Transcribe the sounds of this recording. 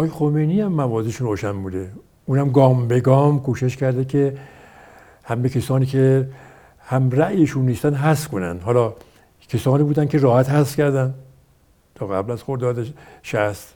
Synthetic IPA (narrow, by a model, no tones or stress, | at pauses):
ʔɒːjexomejniːæmːævɒːzeʃunroːʃænbuːd̪e | uːnæmɡɒːmbeɡɒːmkʰuːʃeʃkæɾd̪ekʲʰe | hæmːekʰesɒːniːkʰe | hæmɾæʔjeʃunːiːst̪ænd̪ɦæskʰonæ̰nd̪hɒːlɒː | kʰesɒːniːbuːd̪ænkʰʲeɾɒːhæt̪hæsfkʲæɾd̪ænd̪ | t̪ʰɒːɣæblæz̥xoɾd̪ɒːd̪eʃæst̪